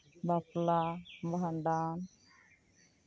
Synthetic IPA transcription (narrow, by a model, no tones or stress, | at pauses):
baplaband̪aːn